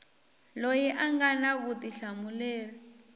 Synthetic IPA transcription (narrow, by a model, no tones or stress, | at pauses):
lojiʔaŋɡanaβutiɬamulɛːɺa